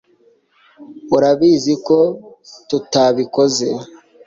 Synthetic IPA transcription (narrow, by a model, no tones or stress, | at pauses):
uɾaβizikotutaβiko̞ze̞